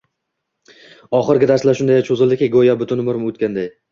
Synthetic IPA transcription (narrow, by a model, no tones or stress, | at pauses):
ɒχɨɾɡʲɪd̪aɾslaʃʊnd̪ajat͡ʃʰozɪlˠd̪ɪkʲeɡojabʊt̪ʰʊnmʊɾmot̪̚kʲand̪aj